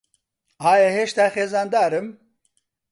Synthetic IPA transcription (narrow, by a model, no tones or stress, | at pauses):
aːjeɦeːʃt̪axeːzaːnd̪aːɾɨm